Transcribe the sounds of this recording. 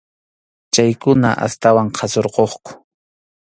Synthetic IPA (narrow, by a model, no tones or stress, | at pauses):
t͡ʃajkʊna̰ʔa̰st̪awaɴqʰɑsoɾqoχkʊ̥